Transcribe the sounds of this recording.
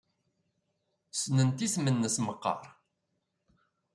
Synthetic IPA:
snənt̪ismənːəsməqːɑ̰ɾˤ

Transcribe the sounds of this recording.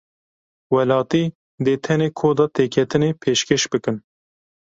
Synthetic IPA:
wɛlɑːt̪iː | d̪eːt̪ʰɛneːkʰoːd̪ɑːt̪ʰeːkʰɛt̪ɨneːpʰeːʃkeʃbɨkɨn

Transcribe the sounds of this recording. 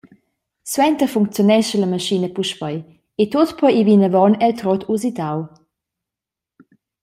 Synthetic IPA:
swɛnt̪əfuŋk̚t͡sjonɛʃələməʃinəpuʃpəj | et̪ot̪pɔjivinəvɔnɛlt̪ɾɔt̪ʰuzit̪aw

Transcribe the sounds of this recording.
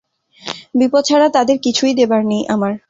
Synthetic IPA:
bipotːt͡ɕʰaɾat̪ad̪eɾkit͡ɕʰujd̪ebaɾnijʔamaɾ

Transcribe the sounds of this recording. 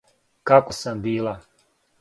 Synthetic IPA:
kakosambiːlˠa

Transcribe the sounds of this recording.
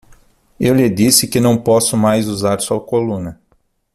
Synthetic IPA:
ewlɪd̪isɪkɪnɐ̃w̃pɔsʊmajzuzaɾsuɐkolũnɐ

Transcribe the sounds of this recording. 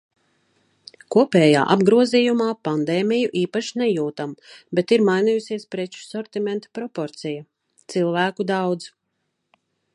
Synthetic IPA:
kuɔpɛːja̰ːʔabɡɾuɔziːjumaːpand̪eːmijuʔiːpaʃinɛjuːt̪ambet̪iɾmajnijusiɛspɾet͡ʃu̥sɔɾt̪imɛnt̪ḁpɾɔpɔɾt̪sija | t̪silˠvæːkud̪awd̪z̥

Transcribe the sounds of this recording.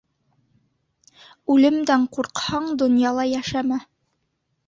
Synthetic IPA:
ʉlɘ̆md̪æɴquɾqhɑɴd̪ŏnjɑlˠɑjæʃæmæ

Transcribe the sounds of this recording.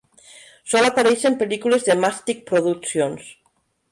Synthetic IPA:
sɔlapaɾesempelikulezðemast̪ik̚pɾoðukθjons

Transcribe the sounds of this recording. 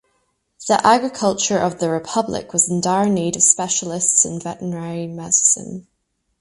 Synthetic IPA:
ðḭʔaɡɹɪkʰʌlˠt͡ʃə˞ʔəvðəɹɪpʰʌblˠɪ̰kʰwɒzɪ̃ndaɪneɾəv̥spɛʃəlˠɪstsɪ̰̃nvɛʔəɹaɹimɛzsə̰̃m

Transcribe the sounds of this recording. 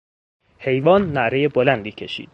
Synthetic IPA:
he̞jvɒːnːæʔɾejebolænd̪iːcʰe̞ʃḭːd̪̥̚

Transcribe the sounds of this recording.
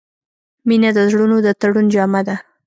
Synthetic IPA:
minad̪əzɽunod̪ət̪aɽund͡ʒɑmad̪a

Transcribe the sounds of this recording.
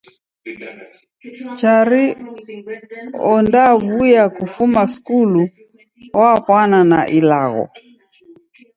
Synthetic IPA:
t͡ʃaɾi | ɔndaβujakufumaskulu | wapwananaʔilaɣɔ̰

